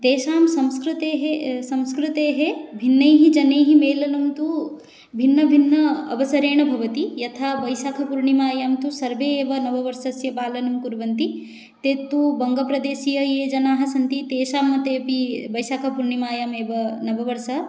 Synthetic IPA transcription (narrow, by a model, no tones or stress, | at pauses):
t̪eːʃaːmsɐ̃mskɾut̪eːɦesɐ̃mskɾut̪eːɦebʱinːɐjɦid͡ʒɐnejɦimeːlɐnɐmt̪u | bʱinːɐbʱinːɐɐʋɐsɐɾeːɳɐbʱɐʋɐt̪ijɐt̪ʰaːbɐjʃaːkʰɐpuɾɳimaːjaːmt̪usɐɾʋeːeːʋɐnɐbɐʋɐɾsɐsjɐpaːlɐnumkuɾʋɐnt̪i | t̪eːt̪ːubɐŋɡɐpɾɐd̪eːʃijɐjeːd͡ʒɐnaːɦɐsɐnt̪it̪eːʃaːmːɐt̪eːpibɐjʃaːkʰɐpuɾɳimaːjaːmeːʋɐnɐbɐʋɐɾsɐ